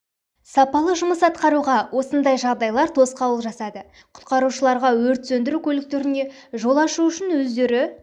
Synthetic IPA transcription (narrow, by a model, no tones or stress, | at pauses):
sɑpɑlˠəʒʊməsɑt̪qɑɾuʁɑwʔo̞sənd̪ɑjʒɑʁd̪ɑjlˠɑɾt̪ʰo̞sqɑwəlˠʒɑsɑd̪ə | qʰʊ̥t̪qɑɾuʃəlˠɑɾʁɑwɵɾt̪sɵnd̪ɪɾukʲʰɵlɪk̚t̪e̞ɾɪne̞ | ʒo̞lˠɑʃuʏʃɪnwɵzd̪e̞ɾɪ